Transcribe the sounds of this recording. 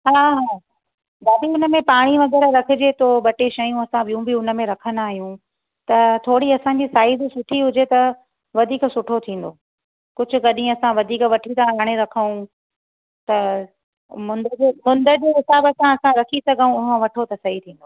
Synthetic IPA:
ɦaːɦaː | ɡaːɗiʊnə̆mẽpaːɽ̃iʋɐɡɛːɾɾɐkʰɪ̆d͡ʑet̪ʰoːɓɐʈeːʃɐjũɐsãɓijũbɪʊnə̆mẽɾɐkʰənaːɦijũ | t̪ɐt̪ʰoːɽiɐsãɲ̆d͡ʑiːsaːɪd̪sʊʈʰiɦʊd͡ʑet̪ɐ | ʋɐd̪ʱiːksʊʈʰot̪ʰĩːn̆d̪oː | kʊd͡ʑʱʊ̆kɐɗĩɐsãʋɐd̪ʱiːkʋɐʈʰit̪ãaːɽ̃eɾɐkʰəũ | t̪ɐ | mʊ̃nd̪əd͡ʑemʊ̃nd̪əd͡ʑeːɦɪsaːbɐsãɐsãɾɐkʰisɐɡʱəũʊɦə̃ʋɐʈʰot̪ɐsɐɦit̪ʰĩːn̆d̪oː

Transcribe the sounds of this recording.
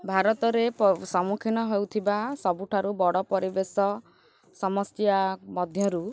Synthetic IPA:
bʱaɾɔt̪ɔɾepɔsɔmukʰinɔɦewt̪ʰibasɔbuʈʰaɾubɔɽɔpɔɾibesɔ | sɔmɔst̪jamɔd̪ʱjɔɾu

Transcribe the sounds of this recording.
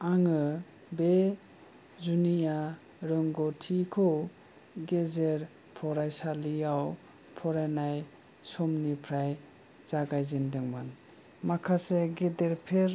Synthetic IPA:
aŋɯ | be | zunija | ɾɯŋɡɔtʰikʰɔw | ɡezeɾ | pʰɔɾajsaliaw | pʰɔɾajnaj | sɔmnipʰɾaj | z̥aɡajzindɯŋman | makʰaseɡedeɾpʰeɾ

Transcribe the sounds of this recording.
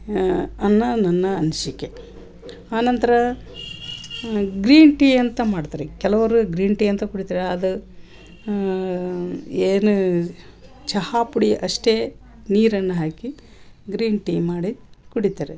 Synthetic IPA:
ɐnːɐnɐnːɐːnʃikːe | aːnɐnt̪ɐɾɐ | ɡɾiːnʈiɐnt̪ɐmaːɽt̪aːɾekɛlɐʋɐɾuɡɾiːnʈiːjɐnt̪ɐkuɽit̪aːɾeɐd̪u | eːnu | t͡ʃɐhaːpuɽiʔɐʂʈeː | niːɾɐnːɐɦaːki | ɡɾiːnʈimaːɽikuɽit̪aːɾe

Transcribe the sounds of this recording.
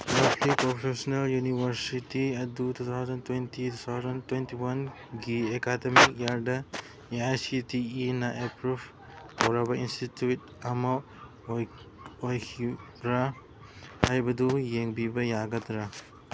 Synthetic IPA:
lablipɾɔpʰesneljunibʱɐɾsitiɐdutʰut̪ʰawzɐntwentitʰut̪ʰawzɐntwentiwɐn | ɡiekademikjaɾdɐ | eajsitiːnaʔepɾub | ɔwɾabɐinstitjut | ɐmɐ | ojkʰibɾa | hajbɐd̪ujeŋbibɐjaɡɐt̪ɾa

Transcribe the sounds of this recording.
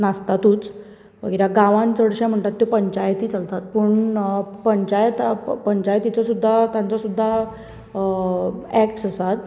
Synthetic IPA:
nast̪at̪uːt͡s | ʋə̰ɡəɾjaɡãʋãnt͡səɽɕãm̤əɳʈ̪at̪ːupəɲt͡ɕajt̪iːt͡səlt̪at̪̚pəɳpəɲt͡ɕajt̪pəɲt͡ɕajt̪ːit͡sɔsud̪ʱːat̪jãnt͡sɔsud̪ʱːa | ɛkʈsəsat̪̚

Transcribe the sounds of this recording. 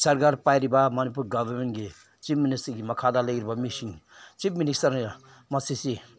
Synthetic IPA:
saɾɡaɾpajɾibamanip̬uɾɡabɐɾmenɡe | t͡ʃipministɐɡimɐkʰad̪aleɡiɾbamisiŋ | t͡ʃip̚minisɐɾ | mʌsisi

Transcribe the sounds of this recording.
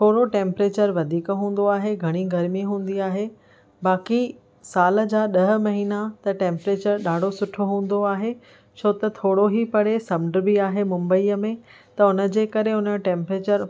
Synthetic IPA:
t̪ʰoːɽoʈẽːmpɾeːt͡ɕəɾʋɐd̪ʱiːkɦũːn̆d̪oaːɦeɡʱɐɽ̃iɡɐɾmiɦũːn̆d̪iaːɦe | baːki | saːlə̆d͡ʑaːɗɐɦ̆mɐɦiːnat̪ɐʈẽːmpɾeːt͡ɕəɾɗaːɖ̤ʱosʊʈʰoɦũːn̆d̪oaːɦe | t͡ɕʰoːt̪ɐt̪ʰoːɽoɦipɐɽ̤esɐmɖ̆bɪaːɦemʊ̃mbəiːəmẽ | t̪ɐʊnə̆d͡ʑeːkɐɾeʊnəʈẽːmpɾeːt͡ɕəɾ

